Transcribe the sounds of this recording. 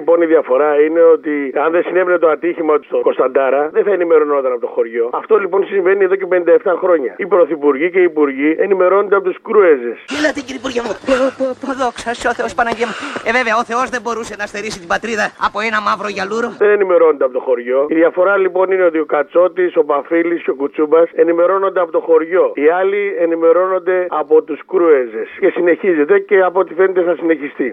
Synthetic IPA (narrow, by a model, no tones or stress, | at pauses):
po̞niðiɐfo̞ɾɐine̞o̞t̪iɐnðesinevenet̪oɐt̪içimɐt̪u̥st̪oko̞st̪ɐnd̪ɐɾɐðeθɐenime̞ɾo̞not̪ɐnɐpot̪o̞xo̞ɾʝo̞ɐft̪o̞lipo̞nsiɱve̞nieðo̞cepe̞nind̪ɐeft̪ɐxɾo̞ɲɐipɾo̞θipuɾʝice̞iːpuɾʝienime̞ɾo̞nod̪eɐpo̞t̪uskɾuezeselɐt̪iciɾipuɾʝɐmoot̪ot̪oðoksɐseoθeospɐnɐʝemɐeve̞veɐoθe̞o̞zðe̞bo̞ɾuse̞nɐst̪eɾisit̪ibɐt̪ɾiðɐːpo̞e̞nɐmɐvɾo̞ʝɐluɾo̞ðene̞nime̞ɾo̞nod̪eɐpot̪o̞xo̞ɾʝo̞iðjɐfo̞ɾɐlipo̞nine̞ot̪io̞kɐt͡so̞t̪iso̞pɐfilisceo̞kut͡subɐse̞nime̞ɾo̞no̞nd̪eɐpot̪o̞xo̞ɾʝo̞iɐlienime̞ɾo̞no̞nd̪e̞ɐpo̞t̪uskɾuezesce̞sine̞çize̞t̪e̞ce̞ɐpo̞t̪ife̞net̪eθɐsine̞çist̪i